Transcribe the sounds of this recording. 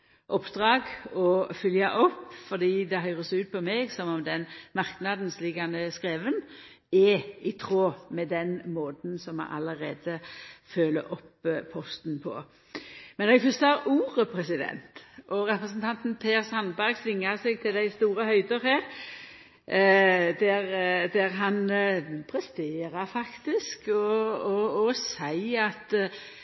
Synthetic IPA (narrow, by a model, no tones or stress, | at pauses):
ʔɔpd̪̥ʁɑːɡɔfʏljɑ̰ʔɔpːfɔʁd̪iːd̪ɛɦœʏʁəsʉːt̪̚pʰɔmɛːɡsɔmɔmd̪ɛnmɑʁknɑd̪n̩slɪɡɑnəskʁeːʋən | ɛɪt̪ʰʁoːmɛd̪ɛnmoːt̪n̩sɔmɑ̰ʔɑləʁeːd̪əføːləʔɔpʰːɔst̪npʰɔ̰ | mɛnɛɡfɔst̪ɑɾuːʁəpʰɾɛsɪd̪ɛ̰nt̪ʔɔʁɛpʁəsənt̪ʰɑnt̪npʰeːʁsɑnbæʁɡsʋɪŋːəʁsɛɡ̚t̪ʰɪld̪æɪst̪uːɾəhœʏd̪əɾhæːʁ | d̪æʁd̪æʁɦɑnpʰɾɛst̪eːɾəɾfɑkt̪ɪskɔɔːsæɪɑt̪